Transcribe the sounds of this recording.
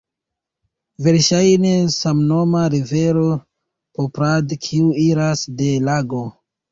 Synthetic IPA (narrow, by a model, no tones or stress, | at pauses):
ve̞ɾʃajne̞samno̞maɾive̞ɾo̞ | popɾadkʰiuiɾasde̞laɡo̞